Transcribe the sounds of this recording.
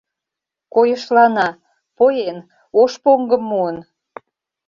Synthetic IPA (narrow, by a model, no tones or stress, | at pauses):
kojəʃlɑnɑ | pojen | oʃpoŋɡəmːuən